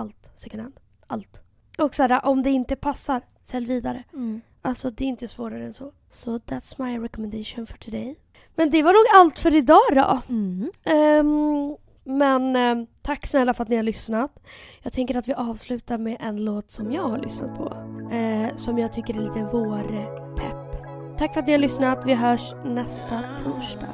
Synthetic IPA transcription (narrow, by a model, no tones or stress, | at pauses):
alt̪sɛkənɛnd̪ | alt̪ | ʔɔksaːɾaʔɔmd̪ɛɪnt̪əpʰasːaɾ | sɛlːviːd̪aɾə | ʔalsɔd̪ɛɪnt̪əsvoːɾaɾəɛnsɔ | sɔðæt̪smajɾɛkɔmɛnd̪eʂʊnfɔʈʰʉd̪eɪ | mɛnd̪ɛvaɳuːɡalt̪fœɾɪd̪ɑːd̪ɔ̰ | mɛnt̪ʰakːsnɛlːafœɾat̪nɪhaɾɭlʏsnat̪jɑːɡ̚t̪ʰɛŋkəɾat̪vɪʔɑːvslʉ̟ːt̪aɾmeʔɛnloːt̪sɔmjɑːɡhaɭʔʏ̰sna̰t̪̚pʰɔ̰ | sɔmjɑːɡ̚t̪ʰʏkːəɾɛliːt̪əvoːɾə | pʰɛpː | t̪ʰːakːfœɾat̪nɪhaɾɭʏsnat̪vɪɦœːʂ | nɛst̪at̪ʰuːʂdɑ̰ː